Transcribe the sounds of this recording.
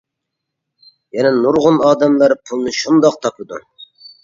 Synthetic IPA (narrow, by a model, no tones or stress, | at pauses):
jɛnɛnuɾʁʊnɑːd̪ɛmlˠɑɾɨpʰulˠnɨʃund̪ɑq̚t̪ʰɑpʰɨd̪ṵ